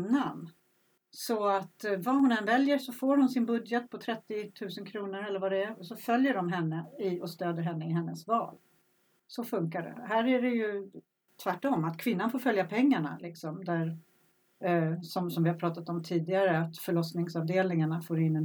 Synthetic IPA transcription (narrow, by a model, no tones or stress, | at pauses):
nanː | sɔat̪vaɦʊnɛnvɛljəʂɔfoːɾhʊnsɪnbɵd̪jət̪̚pʰɔt̪ʰɾɛt̪ːɪt̪ʰʉ̟ːsənkʰɾuːnəɾɛlːəɾvad̪ɛæɾsɔfœljəɖɔmɦɛnːəɪɔst̪øːd̪əɾɦɛnːəɪɦɛnːəsvɑ̰ːl | sɔfɵŋkaɖɛ̰ɦæːɾæɖɛjɵ | t̪ʰvæʈːɔmːat̪kʰvɪn̪ːanfoːɾfœljapʰɛŋːaɳa̰lɪksɔmd̪æɾ | sɔmsɔmvɪhaɾpʰɾɑːt̪at̪ɔmt̪ʰiːd̪ɪaɾəat̪fœɭɔsnɪŋsɑvd̪eːlnɪŋaɳafoːɾɪnːɛ